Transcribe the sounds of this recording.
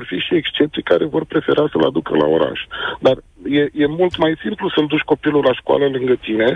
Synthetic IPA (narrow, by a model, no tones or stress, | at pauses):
orfiʃiekst͡ʃep̚t̪ijkaɾe̞vo̞rpɾe̞fe̞ɾasəla̰d̪ukə̰la̰o̞ɾa̰ʃd̪ar | je̞je̞mult̪majsimplusəld̪uʃʲko̞pilulaʃkwa̰ləlɨŋɡət̪ine̞